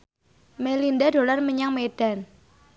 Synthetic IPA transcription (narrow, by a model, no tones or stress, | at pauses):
melindado̤larməɲaŋmeɖ̥a̤n